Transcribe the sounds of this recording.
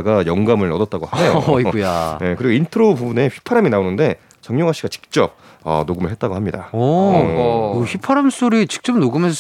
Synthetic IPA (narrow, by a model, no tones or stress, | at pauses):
ɡajʌŋɡamɯɭnʌdʌt̚t͈aɡohanejoujane̞kɯɾiɡintʰɯɾopubune̞ɸɥi̥pʰaɾaminaonɯnde̞ | t͡ɕʌŋɲoŋɦaɕ͈iɡat͡ɕi̥k̚t͡ɕ͈ʌp̚ | ʌ̰noɡɯmɯɭɦe̞t͈̚aɡohamɲida̰ʌ | ɯɸipʰaɾams͈oɾit͡ɕi̥k̚t͡ɕ͈ʌmnoɡɯmens